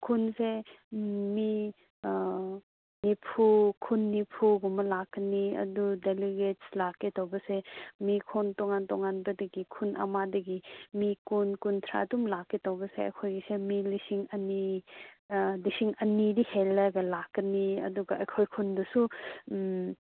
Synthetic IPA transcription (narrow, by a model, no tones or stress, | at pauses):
kʰunse | mi | nipʰukʰunːipʰuɡumɐlakːɐniɐ̰dudeliɡet̚slakːetowbɐsemikʰontoŋantoŋanbɐdɐɡikʰunʔɐ̰madɐɡimikunkuntʰɾa̰ɐdumlakːitawbɐseɐ̰kʰojɡisemilisiŋɐni | lisiŋɐnidihelːaɡɐlakːɐniɐ̰duɡɐɐjkʰojkʰundɐsu